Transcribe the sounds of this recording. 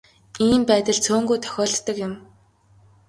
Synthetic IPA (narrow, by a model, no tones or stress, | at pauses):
iːmpæːt̪ə̆ɮt͡sʰoːŋɡujt̪ʰœ̥xʲɔːɮːə̆kjɪ̆m